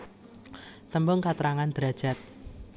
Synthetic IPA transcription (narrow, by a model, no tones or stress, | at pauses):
t̪əmbʊŋkat̪ɾaŋand̪̥ɾa̤d̥ʒ̥a̤t̪̚